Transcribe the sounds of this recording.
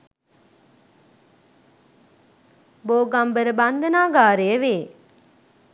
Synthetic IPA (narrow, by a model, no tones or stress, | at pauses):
boːɡambəɾəband̪ənaːɡaːɾeəʋeː